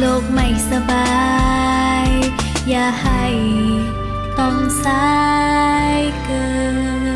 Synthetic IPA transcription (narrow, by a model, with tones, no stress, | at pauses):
loː˧˩k̚ma˧˩jsa˧baː˧ | j | jaː˧˩ha˧˩j | t̪a˧msa˦˥ | jkəː˧